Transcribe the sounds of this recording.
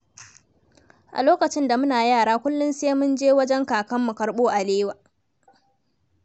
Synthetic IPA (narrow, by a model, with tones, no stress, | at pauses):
ʔa̰˨loː˦kɐ˨t͡ʃɪ˦nda˨mʊ˦naː˨jaː˦˨ɽaː˦kʷʊ˦lːʊ˦nseː˦mʊ˦nd͡ʒeː˦wɐ˦d͡ʒɛ˦ŋkaː˨kɐ˦mːu˨kɐ˨˦ɽɓoː˦ʔa˨leː˦waː˨